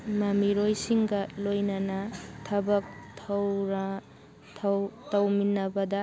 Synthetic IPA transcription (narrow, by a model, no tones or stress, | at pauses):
mɐmiɾojsiŋɡɐlojnɐnɐtʰɐbɐk̚tʰɐwɾʰ | tɐwminɐbɐdɐ